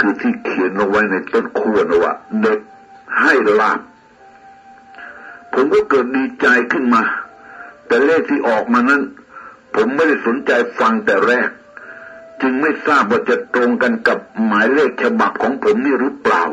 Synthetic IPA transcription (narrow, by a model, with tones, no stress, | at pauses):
kʰɯː˧t̪ʰiː˧˩kʰi˨˩˦ənla˧ŋwa˦˥jna˧jt̪o˥˩˨nkʰu˧˩ənʔɔ˧˩wa̰ː˧˩ne˧˩p̚ | ha˥˩jlaː˧˥˩p̚ | o˨˦mkɔː˥˩kɤː˨˩t̪̚diː˧t͡ɕa˧jkʰɯ˥˩nmaː˧ | t̪ɛː˨˩leː˥˩k̚t̪ʰiː˥˩ʔɔː˨˩k̚maː˧na˦˥˨npʰo˩˨˦mːa˧˥˩jda˥˩jso˨˦nt͡ɕa˧jfa˧ŋt̪ɛː˨˩ɾɛː˥˩k̚ | t͡ɕɯ˧ŋma˥˩jsaː˥˩p̚waː˧˥˩t͡ɕa˨˩t̪ɾo˧ŋka˧nka˨˩p̚maː˨˦jleː˥˩k̚t͡ɕʰa˧ba˨˩p̚kʰɔː˨˦ŋpʰo˩˦mniː˥˩ɾɯː˨˦˥pla̰ː˨˩w